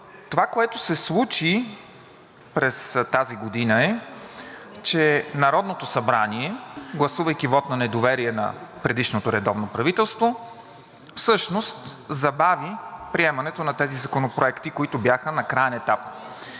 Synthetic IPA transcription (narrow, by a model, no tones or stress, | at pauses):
t̪ovakoɛt̪osɛslˠut͡ʃi | pɾɛst̪aziɡod̪inəɛ | t͡ʃɛnɐɾɔd̪not̪osɐbɾaniɛɡlˠɐsuvɐjkʲivɔt̪nɐnɛd̪ovɛɾiɛnɐ̰pɾɛd̪iʃnot̪oɾɛd̪ɔvnopɾɐvit̪ɛlˠst̪vo | fsɤʃnost̪zɐbavipɾiɛmɐnɛt̪onɐt̪ɛzizɐkonopɾoɛkt̪ikoit̪ʊbjaxənɐkɾajɛnɛt̪ap